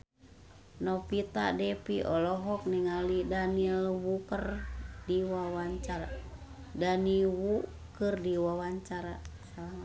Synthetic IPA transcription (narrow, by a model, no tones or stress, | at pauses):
nɔpit̪a̰dɛpiʔɔlɔɦɔk̚niŋalidanilwukərdiwawaɲt͡ʃaɾa | daniwu | kɨrdiwawaɲt͡ʃaɾasalama